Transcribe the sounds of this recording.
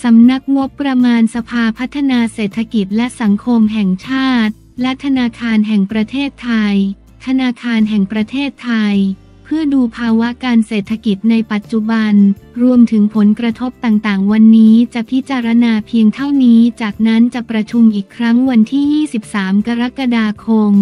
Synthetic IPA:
sa˩˦mna˦˥k̚ŋo˦˥pːɾa˧maː˧nsa˧pʰaː˧pʰa˦˥t̪ʰːa˧naː˧seː˨˩t̪ʰːa˧ki˨˩t̪̚lɛ˦˥sa˩˦ŋkʰo˧mɦɛ˨˩ŋt͡ɕʰaː˥˩t̪̚ | lɛ˦˥t̪ʰa˧naː˧kʰaː˧nɦɛ˨˩ŋpɾa˧t̪ʰeː˥˩t̪ʰːa˧j̪ʰ | a˧naː˧kʰaː˧nɦɛ˨˩ŋpɾa˧t̪ʰeː˥˩t̪ʰːa˧j | pʰɯ˥˩əduː˧pʰaː˧wa˦˥kaː˧nseː˨˩t̪ʰːa˧ki˨˩t̪̚na˧jpa˨˩t̪̚t͡ɕu˨˩ba˧nɾu˧əmt̪ʰɯ˩˦ŋpʰo˩˦nkɾa˧t̪ʰo˦˥p̚t̪aː˨˩ŋt̪aː˨˩ŋwa˧nːiː˦˥t͡ɕa˨˩pʰi˦˥t͡ɕaː˧ɾa˧naː˧pʰi˧əŋt̪ʰa˥˩wniː˦˥t͡ɕaː˨˩k̚na˦˥nt͡ɕa˨˩pɾa˧t͡ɕʰu˧mʔiː˨˩kʰːɾa˦˥ŋwa˧nt̪ʰiː˥˩jiː˥˩si˨˩p̚saː˩˦mka˧ɾa˦˥ka˧daː˧kʰo˧m

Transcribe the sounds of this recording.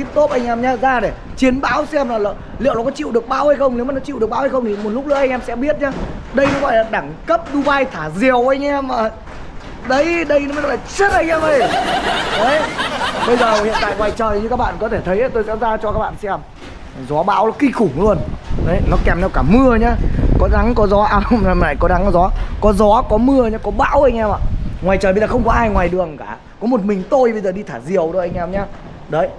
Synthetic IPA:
t̪i˦˥p̚t̪o˦˥p̚ʔa˧jŋ̟ʔɛ˧mɲaː˨˦zaː˧ɗe˧˩ | t͡ɕi˨˦ənɓa̰ː˨˦˥wsi˧ɛ˧mna˨˩lː | lḭ˧˨wnɔ˨˦kɔ˨˦t͡ɕḭ˧˨wɗɨ˨˩ək̚ɓaː˧˦wha˧jxə˧wŋ͡mn˨˦wmaː˨˩nɔ˨˦t͡ɕi˧˨wɗk̚ɓaː˨˦wha˧xə˧wŋ͡mt̪ʰi˨˩mo˨˩t̚lʊ˦˥k͡p̚lɨ̰˧˥˦ʔa˧ŋ̟ʔɛ˧msɛ̰˧˥ɓi˦˥ət̚ɲaː˨˦ɗə˧jnɔ˨˦ɣɔ̰˧˨jlaː˨˩ɗaː˧˩ŋkə˦˥p̚ɗu˧vaː˧jt̪ʰaː˧˩zi˨˩əwʔa˧jŋ̟ʔɛ˧mə˨˩ | ɗə˨˦jɗə˧jz̚laː˨˩t͡ɕɨ˦˥t̚ʔa˧jŋʔɛ˧mʔə˧˩j | ə˨˦jɓə˧jzəː˨˩hḭ˧˨ənt̪a̰ː˧˨ŋwaː˨˩jt͡ɕəː˨˩jɲɨ˧kaː˦˥k̚ɓa̰ː˧˨nkɔ˨˦t̪ʰe˧˩t̪ʰə˨˦jʔa˨˦˩t̪o˧jsɛ̰˧˥zaː˧t͡ɕɔ˧kaː˦k̚ɓa̰˧˨nsɛ˧m | zɔ˨˦ɓa̰ː˧˥wlɔ˨˦ki˧xʊ˧˩ŋ͡mlu˧ənɗə˨˦jnɔ˨˦kɛ˨˩mnɛ˧wkaː˧˩mɨ˧əɲaː˨˧kɔ˨˦ɗa˨˦ŋkɔ˨˦zɔ˨˦ʔa˧˩ə˧ŋ͡mla̰ː˧˨jkɔ˨˦ɗa˨˦ŋ˨˧˦zɔ˨˦kɔ˨˦zɔ˨˦kɔ˨˦mɨ˧əɲaː˨˧˦kɔ˨˦ɓa̰ː˧˥wə˧j̟ʔɛː˧ma̰ː˧˨ŋwaː˨˩jt͡ɕəː˨˩ɓə˧zaː˨˩xə˧wŋ͡mkɔ˨˦ʔaː˧jŋwaː˨˩jɗɨ˨˩əŋkaː˧˩ | kɔ˨˦mo˨˩t̚mï˨˩ŋ̟t̪o˧jɓə˧jzəː˨˩ɗi˧t̪ʰaː˧˩zi˨˩əwzo˨˩ʔa˧ŋ̟ʔɛː˧mɲa˧ | ɗə˨˦j

